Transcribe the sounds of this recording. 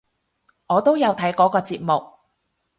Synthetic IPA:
ŋɔː˨˧t̪o˥wjɐ˨˧wt̪ʰɐ˨˥jkɔː˨˥kɔː˧t͡siː˧p̚mʊ˨k̚

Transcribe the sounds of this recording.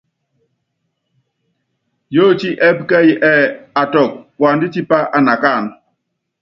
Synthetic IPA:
jo˦˨t͡ʃi˦ʔɛ˦bka˦ji˨ʔɛ˦˨a˨tɔ˨k̚pwa˨ndi˦t͡ʃi˦pa˦ʔa˨na˨ka˦˨n

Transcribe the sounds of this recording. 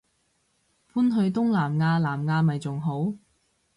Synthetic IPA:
fuː˥nɦɵ˧ɥt̪ʊ˥ŋlaː˨˩mŋaː˧laː˨˩mŋaː˧mɐ˨jt͡sʊ˨ŋɦo˨˥w

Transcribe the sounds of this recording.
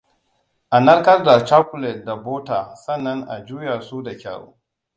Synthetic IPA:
ʔa˨nɐ˦rkɐ˦rda˨t͡ʃaː˦kʊ˨lɛ˨t̚da˨boː˦taː˨sɐ˦nːɐ˦ŋʔa̰˨d͡ʒuː˦ja˨suː˦da˨kʲa̰ː˨ɽo̰ː˦

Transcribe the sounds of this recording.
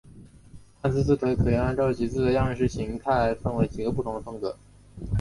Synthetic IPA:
a˥˧nt͡sɹ̩˥˧t͡sɹ̩˥˩t̪ʰwe˧˥ɪkʰɤ˨˩jɛ˧˥na˥nʈ͡ʂʊt͡ɕi˧˥t͡sɹ̩˥˩d̪ə˩jɑ˥˧ɻə˧˥ʂɻ̩˥˩ɕi˧˥ŋt̪ʰa˥˩˧ɪ˥fə˥˧nwe˧˥ɪt͡ɕi˨˩ɡə˧˦pu˥˩t̪ʰʊ˧˥ŋd̪ə˧fɤ˥ŋkɤ̰˧˥

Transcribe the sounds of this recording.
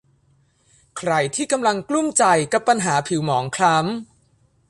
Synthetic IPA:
kʰɾa˧jt̪ʰiː˥˩ka˧mla˧ŋklu˥˩mt͡ɕa˧jka˨˩pːa˧nɦaː˩˦pʰi˩˦wmɔː˩˦ŋkʰla˦˥m

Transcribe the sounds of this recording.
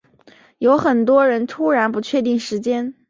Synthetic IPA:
jo˧˥ʊxə˨˩nt̪wɔ˥ɻə˧˥nt̪ʰu˥ɻa˧˥npu˧˥t͡ɕʰɥɛ˥˧t̪i˥˩ŋʂɻ̩˧˥t͡ɕjɛ˥n

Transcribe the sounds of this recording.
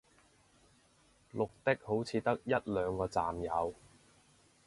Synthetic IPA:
lʊ˨k̚t̪ɪ˥k̚ho˨˥wt͡sʰiː˨˧t̪ɐ˥k̚jɐ˥t̚lœː˨˧ŋkɔː˧t͡sa̰ː˨mjɐ˨˧w

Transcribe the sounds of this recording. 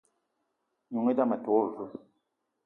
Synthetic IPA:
ɲu˨ŋe˦da˦mɛ˨to˨˦˨

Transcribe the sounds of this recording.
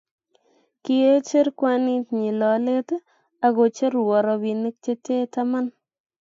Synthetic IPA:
ki˨e˦t͡ʃe˦ɾkwani˦tɲi˨lɔ˨le˦t | a˨ɣo˨t͡ʃe˦ɾwɔ˨ɾɔ˨bi˨ne˦k̚t͡ʃe˦te˦ta˦ma˦n

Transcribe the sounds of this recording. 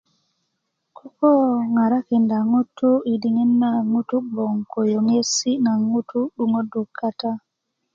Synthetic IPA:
kʰo˦ko˦ŋa˨ɾa˦ke˨nda˨ŋu˦tːu˦i˨di˨ŋi˦nːa˨ŋu˦tu˦bo˨ŋko˨jo˨ŋe˦si˦na˨ŋu˦tʰu˦ɗu˨ŋo˦du˨kʰːa˦ta˦

